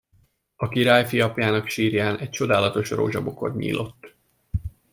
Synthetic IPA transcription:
ɒkiɾaːjfiɒpjaːnɒkʃiːɾjaːnɛc̚t͡ʃo̞d̪aːlɒt̪o̞ʃro̰ːʒɒbo̞ko̞̰d̪ɲḭːlʔo̞t̪ː

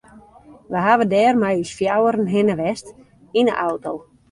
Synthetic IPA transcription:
ʋəɦaʋədɛːrmajysfjawəɾənɦɪnəʋɛst | inə̰ʔawtow

